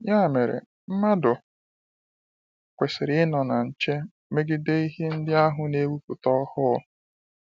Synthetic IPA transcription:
ja˦˨me˨ɾḛ˨ | m̩˦ma˦dʊ˨ | kʷe˨sɪ˨ɾɪ˦ɪ˦nɔ˨na˨n̩˨t͡ʃe˦ | me˦ɡɪ˦de˦i˦ɦe˦n̩˦dɪ˦a˦ɦʊ˦ne˦wu˦pʊ˨tɔ˦hʊ˦

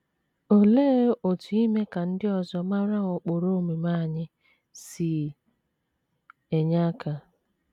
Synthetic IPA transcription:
o˨leː˦o˨tu˨i˦me˦ka˨n̩˦dɪ˦ɔ˨zɔ˦ma˦ɾa˦ʊ˨k͡po˨ɾo˦me˨ma˦˨ɲɪ˦ | si˨ | e˨ɲa˦kʰa˨

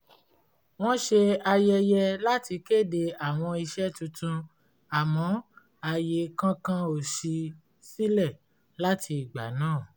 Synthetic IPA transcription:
w̃ɔ̃˦ʃe˧a˧jɛ˧jɛ˧la˦ti˧ke˦˨de˧a˨w̃ɔ̃˧i˧ʃɛ˦tũ˧tũ˧ | a˨mɔ̃˨˦ | a˧je˨˧kã˦kã˦o˦˨ʃi˧ | si˦lɛ˦˨ | la˦tʰi˧i˨ɡ͡ba̰˨˦nãː˦˨

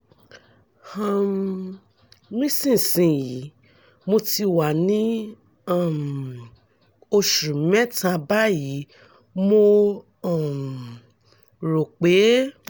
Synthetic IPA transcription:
hã˧m | mĩ˦sĩ˦˨sĩ˧ji˨˦ | mo˧ti˧wa˨nĩ˦ | a˦˨m | o˧ʃu˨˦mɛ̃˦tã˧ba˦ji˨˦ | mo˧ | ɔ˦˨m˨ | ɾo˨k͡pe˨˦

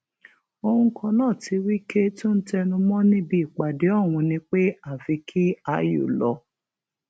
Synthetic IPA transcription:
o˧hũ˧˦kʰɔ̃˧nãː˦˨ti˧wi˦ke˦tʊ̃˦n̩˦tɛ˧nũ˧mɔ̃˦nĩ˦bi˦i˨k͡pa˨de˨˦ɔ˦˨w̃ũ˧nĩ˧k͡pe˦a˦˨fi˧kʰi˦a˧jo̰˨lɔ˧˦

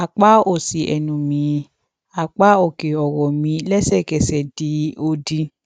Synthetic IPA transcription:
a˨k͡pa˦o˦˨si˨ʔɛ̰˨nũ˨˦mĩ˨˦ | a˨k͡pa˨˦o˦˨ke˨ɔ˨wɔ˨mĩ˧˦lɛ˦sɛ˦˨kɛ˨sɛ˨di˨˦o˧di˧

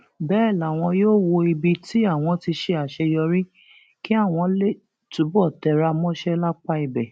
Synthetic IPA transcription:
bɛː˦˨la˨w̃ɔ̃˧joː˦˨wo˧i˧bi˧ti˦a˦˨w̃ɔ̃˧ti˧ʃe˧a˨ʃɛ˧jɔ˧ɾi˦ | ki˦a˦˨w̃ɔ̃˧le˦˨ | tu˨˦bɔ˦˨tɛ˧ɾa˧mɔ̃˦ʃɛ˦la˦k͡pa˦i˨bɛ˨

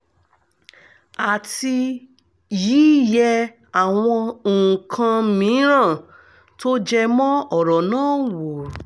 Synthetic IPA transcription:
a˨ti˧ | jiː˨˦˨jɛ˧ | a˨w̃ɔ̃˧õ˨kʰã˧mĩ˨˦ɾã˦˨ | to˦d͡ʒɛ˦mɔ̃˦ɔ˦˨ɾɔ˨nãː˦˨wo˨ɾ

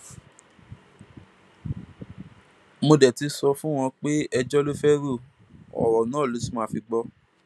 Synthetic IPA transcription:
mo˧dɛ˨ti˨˧sɔ˧fũ˦w̃ɔ̃˧k͡pe˦ɛ˧d͡ʒɔ˦lo˦fɛ˦ɾu˦˨ | ɔ̰˨wɔ˨nãː˨˦˨lu˨˦su˦mã˦˨fi˧ɡ͡bɔ˧˦

